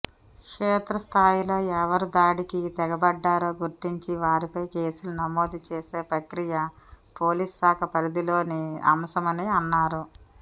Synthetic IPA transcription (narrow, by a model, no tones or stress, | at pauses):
kkʂeːt̪ɾɐst̪ʰaːjilo̞ːɛʋɐɾud̪aːɽikit̪ɛɡɐbɐɖːaːɾo̞ːɡuɾt̪iɲt͡ʃiʋaːɾipɐjkeːsulunɐmo̞ːd̪it͡ʃeːseːpɾɐkɾijɐ | po̞ːliːsːaːkʰɐpɐɾid̪ilo̞ːniɐ̰mɐsɐmɐniɐnːaːɾu